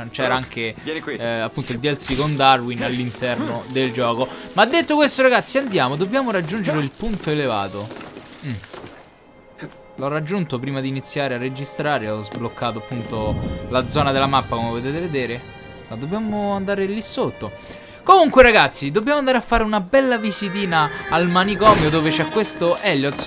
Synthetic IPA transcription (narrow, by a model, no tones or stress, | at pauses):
nt͡ʃɛːɾaaŋk̟e | apːunt̪oild̪ɛlsikond̪arwinalːint̪ɛrnod̪eld͡ʒɔːkomad̪ːet̪ːokwest̪oɾaɡat̪sːiand̪jaːmod̪objaːmoɾad͡ʒːund͡ʒeɾeilpunt̪oelevaːt̪o | lɔrːad͡ʒːunt̪opɾiːmad̪iːnit̪sːjaːɾearːed͡ʒist̪ɾaːɾeɔzblokʰːaːt̪oapːunt̪olad̪zːɔːnad̪elamapːakomevot̪eːt̪eved̪eːɾe | mad̪objaːmoand̪aːɾelisot̪ːo | komuŋkweɾaɡat̪sːid̪objaːmoand̪aɾeafːaːɾeunabɛlːavizit̪̬iːnaːlmanikɔːmjod̪oːvet͡ʃɛkːwest̪oʔɛʎjot̪s